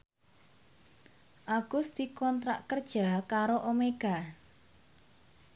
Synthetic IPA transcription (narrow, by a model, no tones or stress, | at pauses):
ʔaɡ̥ʊsd̪̥i̤kɔnt̪ɾa̰ʔkərd̥ʒ̥a̤kaɾoʔomeɡ̥a̤